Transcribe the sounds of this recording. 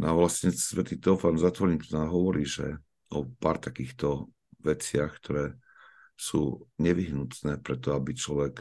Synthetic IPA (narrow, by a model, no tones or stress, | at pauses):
naʋlasɲɛsʋɛt̪iːt̪ɛɔʊfanzat̪ʋɔɾɲit̪naːɦɔʋɔɾiːʒɛ̰ | ɔpaːɾt̪akiːxt̪ɔ | ʋɛt͡sɪaxkt̪ʰɔɾɛː | sṵːɲɛʋiɦnut̪nɛːpɾɛt̪ɔabit͡ʃlɔʋɛk